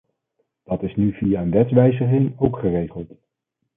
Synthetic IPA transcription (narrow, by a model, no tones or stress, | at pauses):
d̥ɑtɪsnyvijaənʋɛtʋɛjzəχɪŋowkχərejχəlˠt